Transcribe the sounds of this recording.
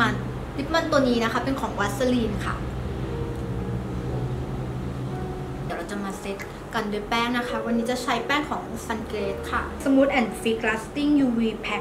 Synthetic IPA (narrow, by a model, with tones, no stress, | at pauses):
a˧˩n | li˦˥t̪̚ma˥˩nt̪u˧ənːiː˦˥na˦˥kʰa˦˥pe˧nkʰɔː˩˦ŋwa˦˥t̪̚sa˧liː˧nkʰa̰˥˩ | iː˨˩˦ɾa˧wt͡ɕa˧˨maː˧se˦˥t̪̚ | ka˧ndu˥˩pɛː˥˩ŋna˦˥kʰa˦˥wa˧nːiː˦˥t͡ɕa˨˩t͡ɕʰa˦˥jpɛː˥˩ŋkʰɔː˩˦ŋsa˧nkɾeː˦˥t̪̚kʰa˥˩so˩˦mːu˦˥t̪̚ʔɛ˧˩nfiː˦˥klaː˦˥st̪i˥˩ŋjuː˧wiː˧pʰɛ˦˥